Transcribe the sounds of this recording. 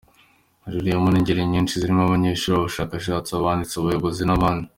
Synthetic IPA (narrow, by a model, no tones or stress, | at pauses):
ʒudiomuniɲɟeɾiɲint͡ʃiziɾimaβaɲeiʃiɾooʃakaʃ̬at͡soβaːnit͡soβujoβozinaβani